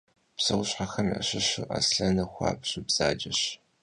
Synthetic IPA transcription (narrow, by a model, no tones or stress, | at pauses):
psɐwʊɕħaxɐnʔɐ̰ɕɪɕɨʔɐ̰sɬɐnɐxʷɑ̰ːpɕʊbz̥aːd͡ʒɐɕ